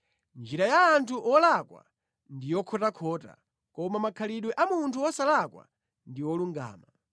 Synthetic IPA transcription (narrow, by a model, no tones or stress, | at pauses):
nd͡ʒiɾajaːntʰuʔɔlakwa̰ | ndijɔkʰɔtakʰɔːta̰ | kɔmamakʰaliɗwɛʔamuntʰuɔsalakwa̰ | ndiwɔluŋɡa̰ːma